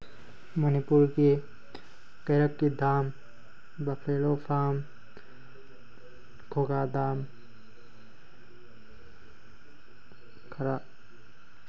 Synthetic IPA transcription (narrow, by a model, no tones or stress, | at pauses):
mənipuɾke | kɐjɾəkːid̪aːm | bɐpʰeːlopʰaːm | kʰoːɡaːd̪aːm | kʰɐɾa